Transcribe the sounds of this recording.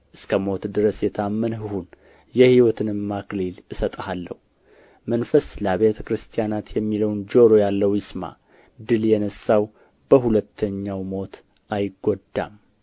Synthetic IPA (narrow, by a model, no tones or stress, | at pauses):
ʔɨskʰəmo̞t̪d̪ɨɾəsjɛt̪ʰamːənɦɨhun | jɛhiwɔt̪ʰɨnɨmːaklilɨsət̪ʼəhalːə̰hu | mənfəsləβe̞t̪ʰəkɾɨst̪ʰijanat̪jɛmːiləwnd͡ʒo̞ɾo̞jalːəwjɪsma̰ | d̪ɨljɛnəsːaw | bəhulət̪ʰːəɲːawmo̞t̪ | ʔajɡːod̪ːa̰m